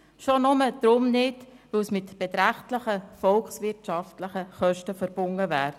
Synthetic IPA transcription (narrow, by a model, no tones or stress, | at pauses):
ʃonʊməd̪̥ɾʊmnɪtʋɵwsmɪtb̥ɛt̪ɾæχtləχəfɔlkχsʋɪrtʃɑftləχəχœʃtəfəɾb̥ʊŋəvæːɾ